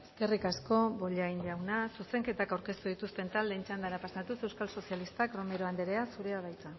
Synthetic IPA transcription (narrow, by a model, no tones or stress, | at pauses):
eske̞rikasko̞βbo̞ʎaiɲʎawnasuse̞ŋke̞t̪akawɾke̞st̪uðit̪ust̪e̞nt̪ald̪e̞nt͡ʃand̪aɾapasat̪use̞wskalso̞sialist̪akro̞me̞ɾoand̪eɾe̞asuɾe̞aβajt͡sa